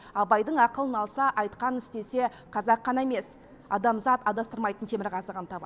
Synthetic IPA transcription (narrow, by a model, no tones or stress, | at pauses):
ɑbɑjd̪əɴɑqəlˠənɑlˠsɑʔɑjt̪qɑnɪst̪e̞se̞ | qʰɑzɑqːɑnɑeme̞s | ɑ̰d̪ɑmzɑt̪ɑd̪ɑst̪əɾmɑjt̪ənt̪ʰe̞mɪɾʁɑzəʁɑnt̪ʰɑbɑ